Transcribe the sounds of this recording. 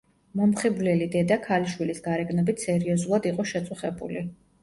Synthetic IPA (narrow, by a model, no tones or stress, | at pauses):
mɔmχiblɛlid̪ɛd̪akʰaliʃwilisɡaɾɛɡnɔbit̪ʰsɛɾiɔzulˠad̪iqʼɔʃɛt̪sʼuχɛbṵli